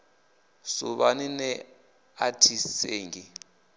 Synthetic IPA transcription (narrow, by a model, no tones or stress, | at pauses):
suβaninɛ | atʰiseːŋɡi